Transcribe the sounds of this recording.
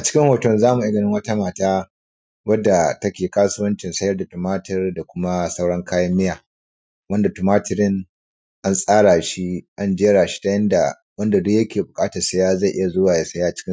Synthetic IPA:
ʔa˨t͡ʃɪ̥˦kʲɪ˦ŋhoː˨tɔ˨mzaː˦mu˨ʔa˦ɡɐ˨nɪ˦ŋwɐ˦ta˦maː˨taː˦ | wɐ˦dːa˨tɐ˦kʲeː˨kaː˦sʊ˦wɐ˦nt͡ʃɪ˨nsɐ˦jɐ˦rda˨tu˨maː˦tɐ˦rda˨kʷʊ˦ma˦sa˦wɽɐ˦ŋkʰaː˦jɐ˦mːɪ˦jaː˨ | wɐ˦nda˨tu˨maː˦tɪ˨ɾɪ˦ŋ | ʔa˦nsʼaː˦ɽa˨ʃi˦ʔa˦nd͡ʒeː˦ɽaː˨ʃi̥˦ta˦jɐ˦nda˨ | wɐ˦nda˨dʊ˦kjɐ˦kʲeː˨bʊ˨kʼaː˦tɐ˨sɐ˦jaː˦za˦˨ʔɪ˦ja˨zʊ˦waː˨ja˦sɐ˦jaː˦ʔa˨t͡ʃɪ̥˦kʲɪ˦

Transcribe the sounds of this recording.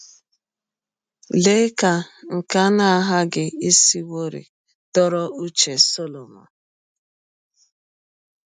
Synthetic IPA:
le˦ka˨ŋ̩˨ka˦na˦a˦ɦa˦ɡɪ˦e˦si˦wo˦ɾḭ˨ | tɔ˦ɾɔ˦ʔu˦t͡ʃe˨so˦lo˨ma̰˨

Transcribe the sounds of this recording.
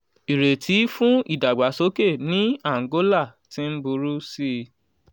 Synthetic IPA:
i˨ɾe˨tʰi˨˦fũ˦i˦˨da˨ɡ͡ba˨so˨˦ke˦˨nĩ˦a˦˨ŋ˨ɡo˦la˦˨ | ti˨˦m̩˦bu˧ɾu˦si˦˧

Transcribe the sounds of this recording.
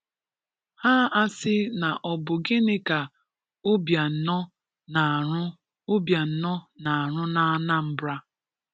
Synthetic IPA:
ha˦a˦sɪ˦na˨ʔɔ˨bʊ˨ɡɪ˦nɪ˦ka˨ | ʊ˦bja˨n̩˨nɔ˦ | na˨ɾʊ˦ | ʊ˦bja˨n̩˦nɔ˦na˨ɾʊ˦na˨a˨na˦m̩˦bɾa˦

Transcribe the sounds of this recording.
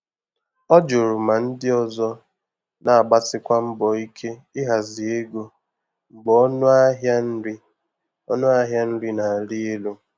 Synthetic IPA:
ɔ˦d͡ʒo˨ɾʊ˨ma˨n̩˦dɪ˦ɔ˨zɔ˦ | na˨a˨ɡ͡ba˦tɪ˦kʷa˦m̩˦bɔ˨i˦kʰe˦ɪ˦ɦa˨zi˨e˦ɡo˦ | ŋ͡m̩˨ɡ͡bɔ˨˦nʊ˦a˦ɦja˦n̩˦ɾi˦ | ɔ̰˦nʊ˦a˦ɦja˦n̩˦ɾi˦na˨ɾi˦e˦lo˦

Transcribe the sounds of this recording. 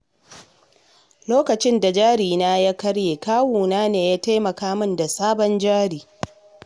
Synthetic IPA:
loː˦kɐ˨t͡ʃɪ˦nda˨d͡ʒaː˦ɽiː˨naː˦jaː˦kɐ˦ɽjeː˨kaː˦wuː˨naː˦neː˨jaː˦ta˦jmɐ˨kaː˦mʊ˦nda˨saː˦bɔ˦nd͡ʒaː˦ɽiː˨

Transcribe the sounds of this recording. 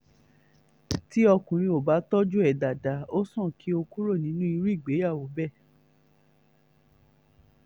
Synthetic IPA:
ti˦ɔ˧kũ˨ɾ̃ĩ˧o˨ba˨˦tɔ˦d͡ʒu˦ɛ˨da˨da˨˦o˦sɔ̃˦˨ki˨˦o˧ku˦ɾo˦˨nĩ˨˦nũ˦i˧ɾu˦i˦˨ɡ͡be˨˦ja˦˨wo˨˦bɛ˦˨

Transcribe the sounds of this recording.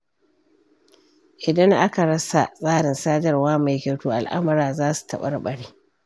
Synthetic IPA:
ʔɪ˨dɐ˦ŋʔa˦ka˨ɽɐ˦sa˨sʼaː˦ɽɪ˨nsaː˦d͡ʒɐ˨rwaː˦ma˨jkʲe˨tuː˦ʔa˨lʔa̰˦mɐ˦ɾaː˨zaː˦su̥˨tʰɐ˨ɓɐ˦rɓɐ˨ɽiː˦

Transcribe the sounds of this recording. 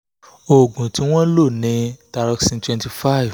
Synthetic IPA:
o˨ɡũ˨tĩ˨˦w̃ɔ̃˦lo˦˨nĩ˨˧˦ta˧ɾɔ˧ksĩ˧ntwɛ̃˧nti˧fa˦˨v

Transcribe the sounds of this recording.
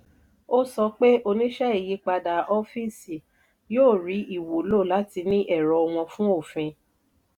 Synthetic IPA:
o˦sɔ˧k͡pe˦ʔo˧nĩ˦ʃɛ˦i˨ji˨˧˦k͡pa˧da˨ʔɔ˧fi˦si˨ | joː˦˨ɾi˨˦i˦˨wo˨˦lo˦˨la˨˦ti˧nĩ˦ʔɛ˦˨ɾɔ˧w̃ɔ̃˧fũ˦o˦˨fĩ˧

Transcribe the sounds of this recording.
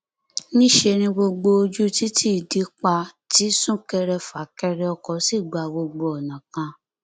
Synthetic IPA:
nĩ˦ʃe˧nĩ˧ɡ͡bo˧ɡ͡bo˧o˧d͡ʒu˦ti˦ti˦i˦˨di˨˦k͡pa˧ti˦sũ˦˨kɛ˧ɾɛ˧fa˨˦kɛ˧ɾɛ˧ɔ˧kɔ˨˦si˦˨ɡ͡ba˨˧ɡ͡bo˧ɡ͡bo˧ɔ˨nã˨kã˧

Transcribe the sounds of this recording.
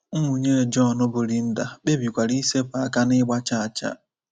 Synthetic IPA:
m̩˦mu˨ɲe˦ɾe˨d͡ʒɔ˦˨nʊ˦bʊ˨ɾi˦n̩˦da˨ɓe˦bi˨kʷa˨ɾi˦se˦pa˨ka˦nɪ˦ɡ͡ba˦t͡ʃa˦˨t͡ʃa̰˦

